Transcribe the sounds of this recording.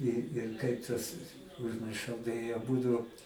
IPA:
ɪ ɪr ˈkɐɪp tɐs ʊʒʲmʲɪrˈʃɐʊ tɐɪ ɐˈbʊdʊ

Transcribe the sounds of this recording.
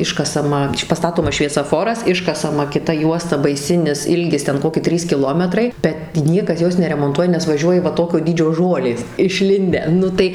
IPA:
ˈɪʃkɐsɐmɐ pɐˈstɑːtoːmɐs ʃʲʋʲiɛsɐˈfoːrɐs ˈɪʃkɐsɐmɐ kʲɪˈtɐ ˈjuɔstɐ bɐɪˈsʲɪnʲɪs ˈɪlʲɡʲɪs ˈtʲɛn ˈkoːkʲɪ ˈtʲrʲiːs kʲɪˈlˠoːmʲɛtrɐɪ bʲɛt ˈnʲiɛkɐs ˈjoːs nʲɛrʲɛmoːnˈtuɔjɛ nʲɛs ʋɐˈʒʲuɔjɪ ʋɐ ˈtoːkʲoː ˈdʲiːd͡ʒʲoː ˈʒoːlʲeːs ɪʃʲˈlʲɪnʲdʲæː ˈnʊ tɐɪ

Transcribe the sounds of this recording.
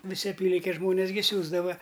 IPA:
ʋʲɪˈsʲɪ ɐˈpʲiːlʲɪŋʲkʲeːs ˈʒmoːnʲeːs ɡʲɪ ˈsʲuːzdɐʋɐ

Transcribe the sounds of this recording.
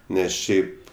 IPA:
ˈnʲɛs ˈʃʲɛɪp

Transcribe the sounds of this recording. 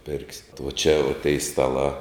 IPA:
ˈpʲɪrksʲɪ ʋoː t͡ʃʲɛ ʋoː tʲɛɪ stɐˈlˠɑː

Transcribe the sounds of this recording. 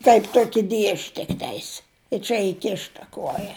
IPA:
tɐɪp ˈtuɔkʲɪ ˈdʲiɛʃʲ tʲɪkˈtʲɛɪs ɪ ˈt͡ʃʲɛ ɪˈkʲɪʃtɐ ˈkuɔjɛ

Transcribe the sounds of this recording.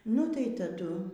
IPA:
nʊ tɐɪ tɐˈdʊ

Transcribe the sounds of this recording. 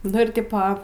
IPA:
nʊ ɪr ˈtʲɪpoː

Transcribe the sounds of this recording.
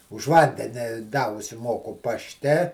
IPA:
ʊʃ ˈʋɐnʲdʲɛnʲɪ dɐ ʊʃʲsʲɪˈmoːkʊ pɐʃʲˈtʲɛ

